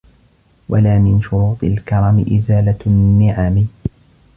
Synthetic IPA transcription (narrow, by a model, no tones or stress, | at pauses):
wʔa̰laːmɪnʃʊɾuːt̪ˤɨlkɑɾˤɑmɪʔɪzaːlanːɪʕaːmɪ